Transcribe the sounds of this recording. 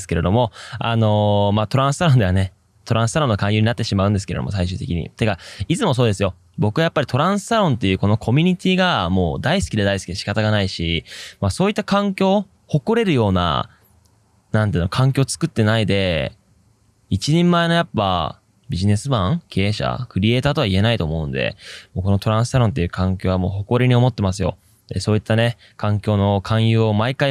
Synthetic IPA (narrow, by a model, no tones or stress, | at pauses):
sɨ̥ke̞ɾe̞d̪o̞mo̞a̰no̞mat̪o̞ɾãɰ̃sɨ̥t̪aɾond̪e̞ane̞ | t̪o̞ɾãsɨ̥aɾõ̞nːokãjɯ̟ɲ̟inat̪ːe̞ɕimaɯ̟̃nd̪esɨ̥keḛo̰o̞̰saiɕɨ̟ːt̪e̞kʲḭɲ̟ḭt̪eɡait͡sɨmo̞s̬oːd̪e̞sɨjo̞ | bo̞kɯ̟ɡajapːaɾʲit̪o̞ɾãɰ̃sɨ̥t̪aɾõ̞nt̪ːe̞jɯ̟ːko̞no̞kʰo̞mʲiɲ̟it̪ʲiːɡamo̞̰ːd̪aisɨ̥kʲid̪ed̪aisɨ̥id̪eɕi̥kat̪aɡanaiɕimaso̞ːit̪ːakãŋkʲo̞ː | ho̞koɾe̞ɾɯ̟jo̞ːna̰ | nãnt̪eːnokʰãŋk̬ʲo̞ːt͡sɨ̥kɯ̟t̪ːe̞naid̪e̞ | it͡ɕiɲ̟ẽmːaeno̞japːa̰ | bʲiʑine̞sɨbãŋkʰe̞ːɕa̰kɯ̟ɾʲie̞ːt̪aːt̪o̞βaie̞nait̪o̞ːmo̞ɯ̟nd̪e̞̰mo̞ːko̞no̞t̪o̞ɾãɰ̃sɨ̥saɾõ̞nt̪̬ːe̞jiɯ̟ːkãŋkʲo̞ːβamo̞ːho̞ko̞ɾʲiɲ̟io̞mo̞t̪ːe̞mas̬ɨjo̞̰ | d̪̥e̞so̞ːit̪ːane̞ | kãŋkʲo̞ːno̞kʰãɰ̃jɯːomaikai